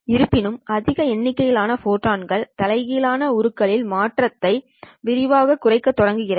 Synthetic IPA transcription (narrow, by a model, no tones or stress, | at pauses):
ɪɾɯpːɪnɯmɐðɪɣɐɛnːɪkːɐjɪlaːnɐfoːʈːaːnɡɐɭt̪ɐlɐɪɣɪlaːnɐʊɾɯkːɐɭɪlmaːʈrɐt̪ːɐɪ | ʋɪɾɪʋaːɣɐkːʊrɐɪkːɐt̪ːɔɽɐŋɡɯɣɪrɐ